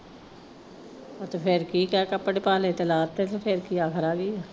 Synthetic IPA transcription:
ot̪epʰɪɾkiːkɛːkəpəɽepaːleːt̪elaːt̪ːeːt̪ːpʰɪɾkiːaːkʰəɾaːɡiːaː

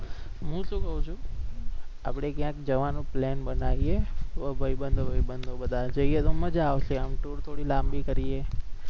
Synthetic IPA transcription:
ɦũʃũkəɦũt͡ʃʰũ | a̰pɽ̃ekjãkd͡ʒəʋanũplɛnɓənaʋieəbʱəibənd̪ʱobʱəibənd̪ʱoɓəd̪ʱad͡ʒəijet̪oməd͡ʒːʋʃeəmʈoɽt̪ʰoɽilambikəɾie

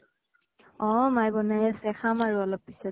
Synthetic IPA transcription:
ɔ̃majbɔnajasɛxamaɹuɔlɔpːisɔ

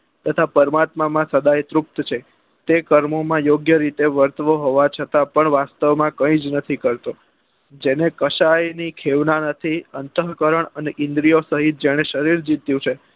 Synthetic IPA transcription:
t̪ət̪ʰapəɾmat̪mamãsəd̪ajt̪ɾup̚t̪t͡ʃʰe | t̪ekəɾmomãjoɡjəɾit̪eʋəɾt̪əʋoɦoʋat͡ʃʰət̪apəɳʋast̪əʋmãkə̃ĩd͡ʒnət̪ʰikəɾt̪o | d͡ʒenekəʃajnikʰeʋnanət̪ʰiənt̪əɦkəɾəɳ̃əneʔɪ̃nd̪ɾijosəɦit̪̚d͡ʒeɽ̃eʃəɾiɾd͡ʒit̪jũt͡ʃʰe

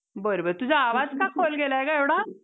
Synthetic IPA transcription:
bəɾobəɾt̪ud͡ʑaːʋad͡zkakʰolɡelaekaeʋɽa

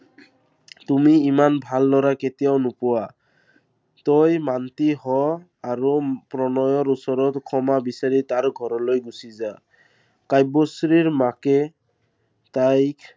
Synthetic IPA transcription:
tumiːmanbʱalːɔɹaketijawnʊpʊwa | tojmantiɦɔ | aɹupɹɔnɔjɔɹusɔɹɔtkʰɔmabisaɹitaɹɡʱɔɹɔlojɡusiza | kajbɔsɹiɹmakɛ | tajk

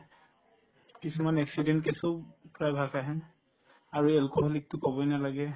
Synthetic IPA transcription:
kisumanɛksidɛntkesopɹajbʱakaɦɛ | aɹuɛlkoɦlik̚tʊkɔbɔnalaɡɛ

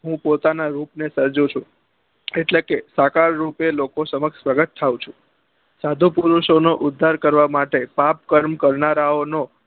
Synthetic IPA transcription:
ɦũpot̪anaɾupnesəɾd͡ʒũt͡ʃʰũ | eʈlekesakaɾːupelokosəməkʃpɾəɡət̪t̪ʰːaũt͡ʃʰũ | sad̪ʱupuɾuʃonoʔʊd̪ʱːaɾkəɾʋamaʈepap̚kəɾmkəɾnaɾaono

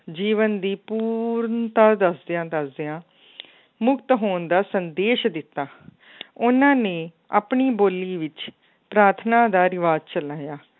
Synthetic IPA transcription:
d͡ʒiːʋənd̪iːpuːɾnt̪aːd̪əsd̪eãːd̪əsd̪eãː | mʊkt̪ɦoːnd̪aːsənd̪eːʃd̪ɪt̪ːaː | ʊnãːneː | a̰ːpɳiːboːliːʋɪt͡ʃ | pɾaːɾt̪ʰnãːd̪aːɾɪʋaːd͡ʒt͡ʃəlaːjaː

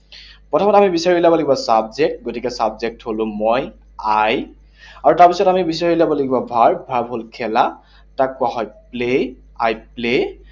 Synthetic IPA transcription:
pɹɔtʰɔmɔtamibisaɹilabɔleɡibɔsabzek̚t̚ɡotikɛsabzek̚tholʊ̃mɔj | aj | aɹutaɹpisɔtamibisaɹilabɔleɡibɔbʱaɹbʱaɹbʱolkʰɛla | takːʊaɦɔjple | a̰jple

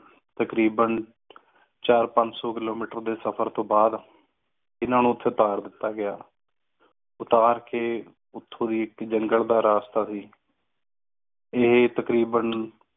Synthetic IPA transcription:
t̪əkɾiːbən | t͡ʃaːɾpəɲd͡ʒsɔːkɪloːmiːʈəɾd̪eːsəpʰəɾt̪õːbaːd̪ | ɪnãːnũːʊt̪ʰːeːʊt̪aːɾd̪ɪt̪ːaːɡɪjaː | ʊt̪aːɾkeː | ʊt̪ʰːõːd̪iːɪkd͡ʒəŋɡəld̪aːɾaːst̪aːsiː | ɪɦt̪əkɾiːbən

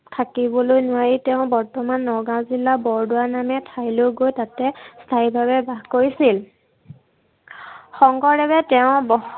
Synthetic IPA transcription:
tʰakibɔlojnʊwaɹitɛʊ̃bɔɹtɔmanːɔɹɡãzilːabɔɹdʊwanamɛtʰajloɡojtatɛstʰaibʱaβɛbʱaɡkoɹisil | xɔŋɡɔɹdɛbɛtɛʊ̃bɔx

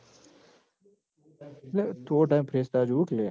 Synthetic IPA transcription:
let̪oːʈajmpʰɾeːst̪aːd͡ʒukleː

